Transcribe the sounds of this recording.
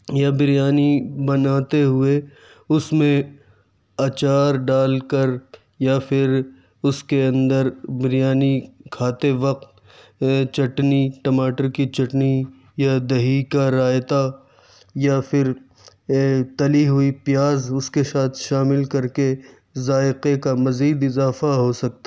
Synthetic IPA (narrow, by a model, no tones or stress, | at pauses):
jabɪɾijaːnibɐnaːt̪eɦʊe | ʊsmẽ | ɐt͡ʃaːɾɖaːlkəɾ | japʰɪɾ | ʊskeɐ̃nd̪əɾbɪɾijaːnikʰaːt̪eʋɐq̚t̪ | t͡ʃɐʈniʈɐmaːʈəɾkit͡ʃɐʈni | jad̪ɐɦiːkaɾaːjt̪a | japʰɪɾ | t̪ɐliɦʊipjaːzʊskesaːt̪ʰʃaːmɪlkɐɾke | zaːɪqekamɐziːd̪ɪzaːfaɦosɐk̚t̪ḁ